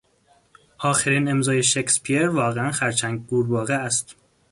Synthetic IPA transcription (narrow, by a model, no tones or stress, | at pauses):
ʔɒːxeɾiːne̞mzɒːje̞ʃekspʰieɾvɒːɣeænxæɾt͡ʃʰæŋɡɡuːɾbɒːɣeæst̪